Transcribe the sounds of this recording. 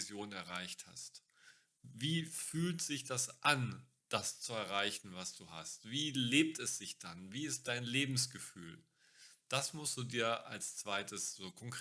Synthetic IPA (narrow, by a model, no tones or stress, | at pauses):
zjoːnnɛɐʁaɪçtha̰st | viːfyːltz̥ɪçd̥asʔan | d̥ast͡suɛɐʁaɪçn̩vasd̥uːha̰stv̥iːleːp̚tɛsz̥ɪçd̥anviːɪst̚d̥aɪnleːbm̩sɡ̥əfy̰ːl | d̥asmʊstd̥uːdiːɐa̰lst͡sv̥aɪtəsz̥oːkʰɔŋkʁ